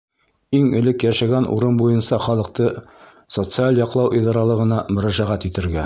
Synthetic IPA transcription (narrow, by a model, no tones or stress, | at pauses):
iŋɵ̆lɘkjæʃæɡænṵɾɤnbujɤnsɑχɒlˠɤ̆q̚t̪ɤ | sot̪sɨalʲˠjɒqlˠɑwʔid̪ɑɾɑlˠɤ̆ʁɤ̆nɑmɵ̆ɾæʒæʁæt̪ɵt̪ɘ̆ɾɡæ